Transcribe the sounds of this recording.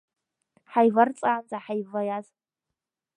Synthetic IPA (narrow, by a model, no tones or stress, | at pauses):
ħajvart͡sʼaːnzʼaħajvajaz